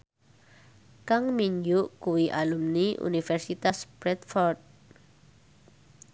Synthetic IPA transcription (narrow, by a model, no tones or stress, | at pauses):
kaŋmiɲd͡ʒuʔkuwiʔalumniʔṵnifɛrsit̪asbɾɛt̪̚fɔrt̪̚